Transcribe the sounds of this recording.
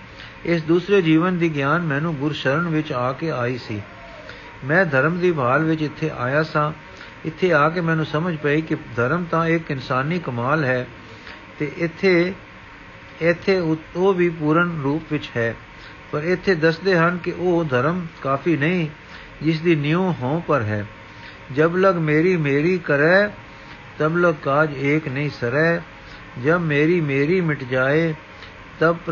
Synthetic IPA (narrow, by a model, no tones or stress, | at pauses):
ɪs̬d̪uːsɾeːd͡ʒiːʋənd̪iːɡjaːnmɛ̃ːnũːɡʊɾʃəɾəɳʋɪt͡ʃaːkeːaːiːsiː | mɛ̃ːd̪ʱəɾmd̪iːbʱaːlʋɪt͡ʃɪt̪ʰːeːʔa̰ːjaːsãː | ɪt̪ʰːeːaːk̬eːmɛ̃ːnũːsəməd͡ʒpaːiːkɪd̪ʱəɾəmt̪ãːɪkɪnsaːniːkəmaːlɦɛː | t̪eːʔɪt̪ʰː | ɪt̪ʰːeːoːʋiːpuːɾənɾuːpʋɪt͡ʃɦɛː | pəɾɪt̪ʰːeːd̪əsd̪eːɦənkɪʔoːd̪ʱəɾəmkaːpʰiːnəĩː | d͡ʒɪs̬d̪iːnɪjũːɦõːpəɾɦɛː | d͡ʒəbləɡmeːɾiːmeːɾiːkəɾɛː | t̪əbləɡ̚kaːd͡ʒeːknəĩːsəɾɛː | d͡ʒəbmeːɾiːmeːɾiːmɪʈʰd͡ʒaːeː | t̪əb